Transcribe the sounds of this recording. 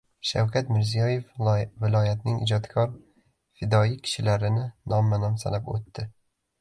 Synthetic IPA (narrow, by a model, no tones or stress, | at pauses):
ʃa̰wkʲʰat̪mɪɾzijɒje̞fvɪlˠɒjat̪nɪŋʔɪ̰d͡ʒɒt̪kʰɒɾ | fɪd̪ɒjɪkʲʰɪ̥ʃɪlaɾɪnɪnɒmːanamsa̰lapo̰t̪ːɪ